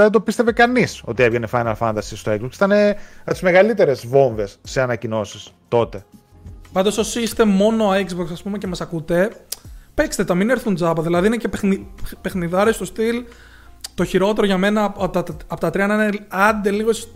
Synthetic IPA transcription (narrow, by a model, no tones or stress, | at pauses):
ɐðet̪d̪o̞pist̪evekɐniso̞̰t̪ievʝenefɐjnɐlfɐnt̪ɐsist̪oekzboksiθɐneɐt̪izme̞ɣɐlit̪e̞ɾe̞zvo̞ɱve̞sːeɐnɐcino̞sist̪o̞t̪e̞ | pɐnd̪ososist̪e̞mo̞no̞aksboksɐspumecemɐsɐkut̪e̞pekst̪et̪ɐmineɾθund͡zɐpɐðilɐðiinecepenipe̞xniðɐɾest̪o̞st̪il | t̪o̞çiɾo̞t̪e̞ɾo̞ʝɐme̞nɐt̪ɐpot̪ɐt̪ɾiɐnɐinɐnd̪e̞liɣos